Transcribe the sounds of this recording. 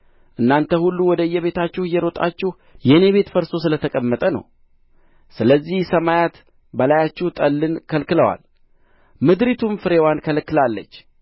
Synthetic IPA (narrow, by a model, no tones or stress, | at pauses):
ʔɨnːant̪ʰəhulːuwɔd̪əɨjːɛβe̞t̪ʰat͡ʃːɪhɨjːɛɾo̞t̪ʼa̰t͡ʃːɪh | jɛne̞βe̞t̪fəɾso̞sɨlət̪ʰəkʼəmːət̪ʼənə̰w | sɨləzːihsəmajat̪ | bəlajat͡ʃːɪht̪ʼəlːɨnkʰəlkɨləwa̰l | mɨd̪ɾit̪ʰumfɨɾewankʰəlkːɨlalːə̰t͡ʃː